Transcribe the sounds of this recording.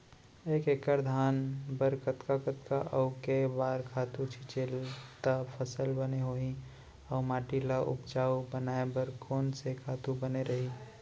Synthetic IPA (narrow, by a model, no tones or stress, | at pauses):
eːkekəɾd̪ʱaːnbəɾkət̪kakət̪kaʔəʊkebaːɾkʰaːt̪ut͡ʃʰit͡ʃelt̪apʰəsəlbəneɦoɦi | ɔʊmaːʈilaʔʊ̰pt͡ʃaːubənaːebəɾkʰɔːnsekʰaːt̪ubəneɾəɦi